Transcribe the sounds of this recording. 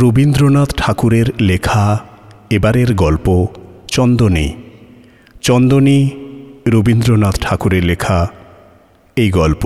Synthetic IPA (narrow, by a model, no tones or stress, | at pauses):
ɾobind̪ɾonat̪ʈʰakuɾeɾlekʰa | ebaɾeɾɡɔlpot͡ɕɔnd̪onḭ | t͡ɕɔnd̪oni | ɾobind̪ɾonat̪ʈʰakuɾeɾlekʰa | ejɡɔlpo